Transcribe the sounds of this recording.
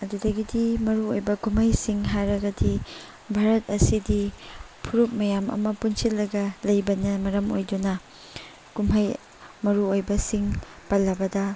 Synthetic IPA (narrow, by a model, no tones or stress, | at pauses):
ɐdudɐɡidimɐɾuojbɐkumhɐjsiŋɦajɾɐɡɐdi | bʱaɾɐt̚ɐsidi | pʰuɾup̚mɐjamɐ̰mɐpunsilːɐɡɐlɐjbɐnɐmɐɾɐmo̰jdunɐ | kumɦɐj | mɐɾuojbɐsiŋ | pɐlːɐbɐdɐ